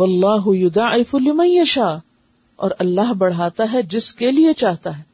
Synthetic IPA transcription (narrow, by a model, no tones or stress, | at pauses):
wɐlːɑːɦʊjʊd̪aːʔɪfʊlɪmɐ̃njɐʃaː | ɔ̰ːɾɐlːaɦbɐɽ̤aːt̪aɦɛd͡ʒɪskeliet͡ʃaːɦt̪aɦɛː